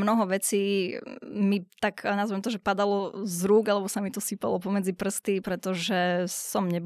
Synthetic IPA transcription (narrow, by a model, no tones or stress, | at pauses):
mnɔɦɔʋɛt͡siː | mit̪aknazʋɛmt̪ɔʒɛpad̪alɔzɾuːɡalɛbɔsamit̪ɔsipa̰lɔpɔmɛd͡zipr̩st̪ipɾɛt̪ɔʒɛsɔmɲɛb